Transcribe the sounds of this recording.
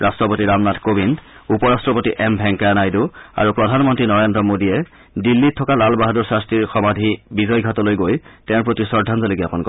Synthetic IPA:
ɹastɹɔpotiɹamnadkobind | upɔɹastɹɔpotiʔɛmbʱɛŋkanajdua̰ɹupɹɔdʱanmɔntɹinɔɹendɹɔmodiɛ | dilːitʰːɔkalalbaɦaduɹsastɹiɹxɔmadʱibizɔjɡʱatɔlojɡojtɛ̃ʊɹpɹotisɔɹdʱanzɔleɡiapɔnkɔ

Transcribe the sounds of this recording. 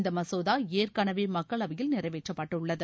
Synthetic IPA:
nd̪ɐmɐsoːðaːeːrkɐɳɐʋeːmɐkkːɐɭɐʋɐjɪlnɪrɐɪʋeːʈrɐpːɐʈːɯʊɭːɐðɯ

